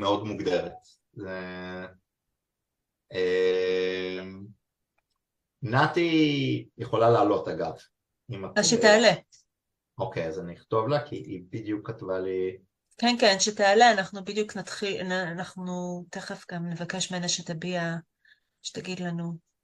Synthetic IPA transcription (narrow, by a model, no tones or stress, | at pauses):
meo̞d̪muɡd̪e̞ʁet̪ | ze | e | m | nat̪ijeχo̞lalealo̞taɡav | imaaʃet̪eale | o̞kejazaniχt̪o̞vlakʰḭʔibid̪jukːat̪vali | kenkenʃetealeanaχnubid̪juknat̪χilanːnaχnut̪e̞χefɡamne̞vake̞ʃmeenaʃet̪abia | ʃe̥taɡidlanu